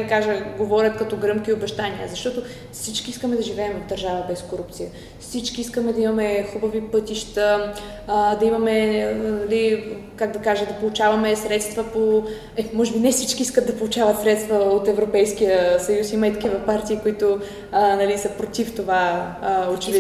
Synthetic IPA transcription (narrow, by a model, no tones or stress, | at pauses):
kaʒəɡovɔɾʲət̪kɐt̪ɔɡɾɤmkiobɛʃt̪aniə̰zɐʃt̪ɔt̪o | fsit͡ʃkiiskəmɛd̪ɐʒivɛːmvɐvd̪ɐɾʒavəbɛskoɾup̚t̪sijə | fsit͡ʃkiiskəmɛd̪ɐimɐmɛxubɐvipɤt̪iʃt̪ə | d̪ɐimɐmɛnɐlikaɡ̚d̪ɐkaʒəd̪ɐpolˠut͡ʃavɐmɛsɾɛt̪st̪vəpo | ɛmɔʒɛbinɛfsit͡ʃkiiskət̪d̪ɐpolˠut͡ʃavɐt̪sɾɛt̪st̪vɐot̪ɛvɾopɛjskijəsɐjusiməit̪ɐkivɐpaɾt̪iːkoit̪o | nɐlisəpɾot̪ift̪ovaot͡ʃɛvi